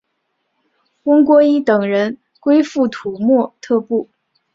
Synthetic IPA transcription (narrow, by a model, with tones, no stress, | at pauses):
wə˥ŋkwɔ˥i˥t̪ɤ˨˩ŋɻə˧˥n | kwe˥ɪfu˥˩t̪ʰu˨˩mwɔ˥˧t̪ʰɤ˥˧pu˥˩